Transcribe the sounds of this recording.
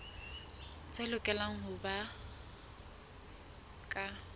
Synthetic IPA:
t͡sʰʼɛlʊkʼɛlaŋ̩ɦʊba | kʼa

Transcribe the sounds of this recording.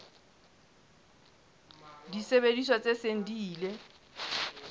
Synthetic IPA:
disebediswat͡sʼeseŋ̩diːle

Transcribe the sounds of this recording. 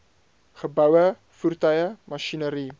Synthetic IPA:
χəbɐwə | furt̪ɐjəmaʃinəɾi

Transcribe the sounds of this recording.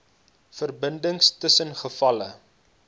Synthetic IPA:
fərbəndəŋstəsənχəfɐlə

